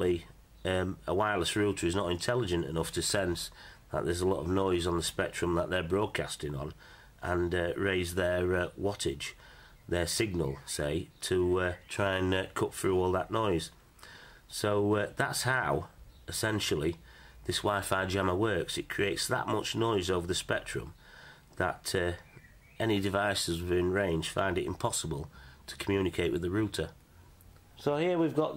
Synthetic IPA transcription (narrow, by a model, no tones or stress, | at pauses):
li | ʌməwaɪləsɹʉtʰə˞ɨznəɾɪ̃ntʰɛlˠɪd͡ʒə̃ntɪ̰nʊftʰɨsɛ̃nsðə̰ʔ̚ðə˞zəlɔ̰ɾə̰vnɔɪzn̩ðəspɛk̚tɹ̥ɨ̃mðəʔðə˞bɹɔːd̚kʰastɪ̃ŋə̃n | ʔə̃nɹeɪzðə˞wɑtɪ̥d͡ʒ̥ | ðə˞sɪɡ̚nəl̩ˠseɪtʰətʰɹ̥aɪə̃nkʰʊtθɹʉɔːlˠðəʔnɔɪz̥ | soʊðatshaʊɪsɛ̃nʃl̩ˠiðɪswaɪfaɪd͡ʒaməwɜ˞ksɨt̚kʰɹ̥ieɪtsðə̰ʔmʊt͡ʃnɔɪzoʊvəðəspɛk̚tɹ̥ɨ̰̃m | ðə̰tʌ | ɛnidɪvaɪsəzbɪ̃nɹẽɪ̃nd͡ʒd̥fã̰ɪ̃ndɪɾɪ̰̃mpʰɑsəbəlˠtʰə̥kʰəmjʉnɪkʰeɪʔwɨðəɹʉˑtʰə | soʊhiəwivɡɑʔ